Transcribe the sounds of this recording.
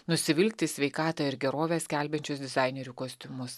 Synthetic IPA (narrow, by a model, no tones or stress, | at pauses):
nʊsʲɪʋʲɪlʲkʲt̪ʲɪsʲʋʲɛɪkɑːt̪ɑɪɾɡʲɛɾoːʋʲɛːsʲkʲæˑlʲbʲɛnʲt͡ʃʲʊsd̪ʲɪzɑɪnʲɛɾʲukoːsʲt̪ʲʊmʊs